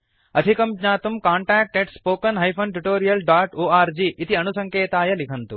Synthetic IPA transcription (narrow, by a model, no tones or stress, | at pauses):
ɐd̪ʱikɐmɡɲaːt̪umkaːɳʈaːk̚ʈeɖspoːkɐnɦɐjpʰɐnʈ̬uʈoːɾijɐlɖaːʈoːaːɾd͡ʒiːʔːt̪iɐnusɐŋkeːt̪aːjɐlikʰɐnt̪u